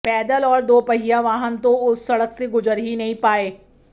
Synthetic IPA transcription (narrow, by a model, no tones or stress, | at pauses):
pɛːd̪əlɔːɾd̪oːpɐɦijaʋaːɦənt̪õʊsːɐɽəkseɡʊzəɾɦinɐɦĩpaːeː